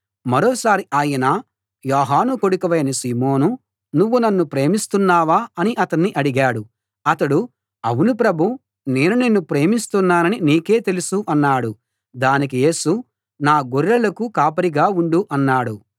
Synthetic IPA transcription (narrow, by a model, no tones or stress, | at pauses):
mɐɾɔːsaːɾiʔaːjɐna | jɔːɦaːnuko̞ɽukɐʋɐjɐnɐsiːmoːnu | nuʋːunɐnːupɾe̞ːmist̪unːaːʋaːɐniʔɐt̪ɐnːiʔɐɽiɡaːɽu | ɐt̪ɐɽu | ɐ̰wunipɾɐbʱu | ne̞ːnunenːupɾe̞ːmist̪unːaːnɐniniːke̞ːt̪e̞lusuʔɐnːaːɽu | d̪aːnik̬ije̞ːsu | naːɡoɾːɐlɐkukaːpɐɾiɡaːuɳɖuʔɐnːaːɽu